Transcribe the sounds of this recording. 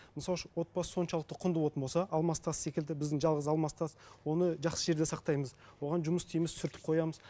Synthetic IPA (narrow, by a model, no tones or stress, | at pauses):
mɪnsɑlˠʃəwo̞t̪̚bɑsə̥so̞nʃɑlˠəqt̪əqʰʊnd̪əwo̞t̪ənbolsɑʔɑlˠmɑst̪ɑsse̞kʲɪld̪ɪbɪzd̪ɪŋʒɑlˠʁəzɑlˠmɑst̪ʰɑswo̞nəʒɑqsəʒe̞ɾd̪e̞sɑqt̪ɑjməzwo̞ʁɑnʒʊməst̪ʰijmɪssʏɾt̪ɪ̥p̚qʰo̞jɑməz